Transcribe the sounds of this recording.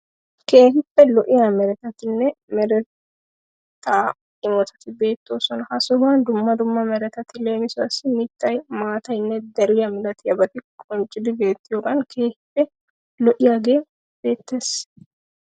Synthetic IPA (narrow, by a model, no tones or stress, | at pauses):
ke̞ːɦɪpːɛlɔʔɪjamɛɾɛt̪ɐt̪ɪnːɛmɛɾɛ | t̪ʰːaː | ɪmɔt̪ɐ̥t̪ɪbe̞ːt̪ːoːsɔnɐhɐsɔband̪ʊmːɐd̪ʊmːɐmɛɾɛt̪ɐt̪ɪleːmɪsʊɐsɪmɪt̪ːɐjmaːt̪ɐjnːɛd̪ɐɾɪjɐmɪlɐt̪ɪjɐbɐt̪ɪkʼɔnt͡ʃʼɪd̪ɪbe̞ːt̪ːɪjokʼɐnkʰe̞ːhɪpːɛ | lɔʔɪjaɡe̞ː | b̥e̞ːt̪ːes